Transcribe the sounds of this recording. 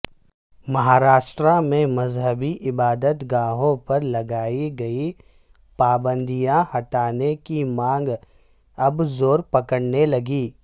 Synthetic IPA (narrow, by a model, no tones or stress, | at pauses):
mɐɦaːɾaːʃʈɾãmẽmɐzɦəbiʔɪbaːd̪ət̪ɡaːɦõpɐɾlɐɡaːiɡɐi | paːbə̃nd̪ijãhɐʈaːnekimãːŋɡ | ɐbzoːɾpɐkəɽnelɐɡiː